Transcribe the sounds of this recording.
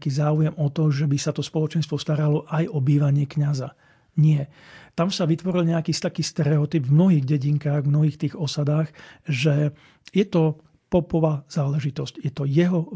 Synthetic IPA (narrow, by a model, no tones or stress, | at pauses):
kiːzaːujɛmɔt̪ɔʒɛbisat̪ɔspɔlɔt͡ʃɛnst̪ʋɔst̪aɾalɔʔajɔbiːʋaɲɪɛkɲaza̰ | ɲɪɛt̪amsaʋit̪ʋɔɾilɲɛakiːst̪akiːst̪ɛɾɛɔt̪ibvmnɔɦiːɣɟɛɟiŋkaːɣmnɔɦiːxt̪iːɣɔsad̪aːɣʒɛ | jɛt̪ɔ | pɔpɔʋaːz̥aːlɛʒit̪ɔscjɛt̪ɔjɛɦɔ